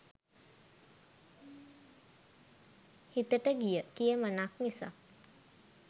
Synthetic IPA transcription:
hit̪əʈəɡijəkijəmənaknisa̰

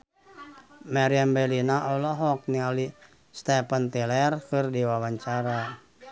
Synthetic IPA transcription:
maɾiambɛlinaʔɔlɔɦɔk̚niali | st̪ɛpənt̪ɛlɛrkɨrdiwawaɲt͡ʃaɾa

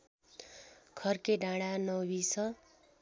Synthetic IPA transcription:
kʰʌrkeɖʱãɽanʌwbisʰʌ

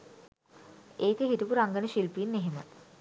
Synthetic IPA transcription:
eːkəɦiʈəpuɾaŋɡənəʃilpiːnːeɦemə̰

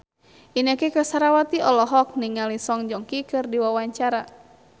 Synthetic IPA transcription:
ʔinakekasaɾawat̪iɔlɔɦɔk̚niŋalisɔŋd͡ʒɔŋkikɨrdiwawaɲt͡ʃaɾa

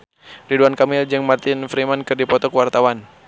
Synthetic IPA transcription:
riduankamɪld͡ʒɨŋmart̪ɪnfɾimankɨrdipɔt̪ɔkwart̪awan

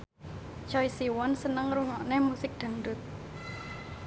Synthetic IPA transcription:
t͡ʃɔisiwɔnsənəŋruŋɔʔnɛhmusɪk̚d̪̥a̤ŋɖʊt̪̚

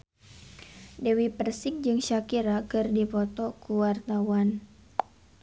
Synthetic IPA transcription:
dewipərsɪŋ̚d͡ʒɨŋʃakiɾakɨrdipɔt̪ɔkuwart̪awan

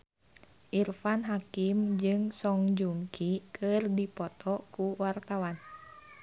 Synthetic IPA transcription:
ʔirfanɦakimd͡ʒɨŋsɔŋd͡ʒuŋkʰikʰɨrdipɔt̪ɔkuwart̪awan

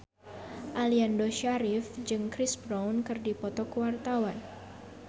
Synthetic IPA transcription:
ʔaliandoʃaɾɪfd͡ʒɨŋkɾisbɾawnkɨrdipɔt̪ɔkəwart̪awan

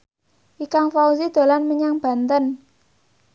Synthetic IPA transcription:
ʔikaŋfauzid̪̥o̤lanməɲaŋb̥a̤nt̪ən

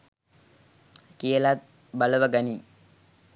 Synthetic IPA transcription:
kijəlat̪̚ | baləʋəɡani

